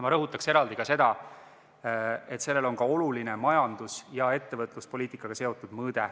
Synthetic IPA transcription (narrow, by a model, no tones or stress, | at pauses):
mɑɾɤɦut̪ːˑɑkse̞ɾɑld̪̥ikɑse̞d̪̥ɑ | e̞t̪se̞lːe̞lo̞ŋkɑo̞luline̞mɑjɑnd̪̥usjɑe̞t̪ːe̞vɤt̪ˑluspo̞liːt̪ˑikːˑɑɡ̥ɑse̞o̞t̪ːˑud̪mɤːd̪̥e